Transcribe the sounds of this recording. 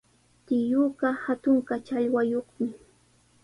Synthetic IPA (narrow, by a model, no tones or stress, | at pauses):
t̪ɪjuːɢɑhat̪ʊɴqat͡ʃaʎwajoχmɪ